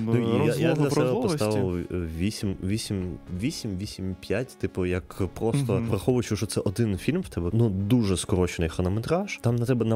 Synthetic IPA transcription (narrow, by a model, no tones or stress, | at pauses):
nuajad̪lʲɐtɛbɛppɔssɑʋɪlʋʲisʲimʋʲisʲimʲʋʲisʲimʲʋʲisʲimʲpʲjatʲt̪ɪpɔjɐkpɾɔst̪ɔʋɾɐxɔʋʊjʊt͡ʃʊʃɔt̪sɛʔɔd̪ɪnfʲilʲmwt̪ɛbɛnud̪uʒɛskɔɾɔt͡ʃɪnɪjxɔnɔmet̪ɾaʃt̪ɑmnɐt̪ɛbɛnɐ